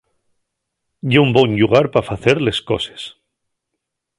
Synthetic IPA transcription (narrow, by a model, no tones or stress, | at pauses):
ʝeumboɲʎuɣaɾpafaθeɾle̞sko̞̰se̥s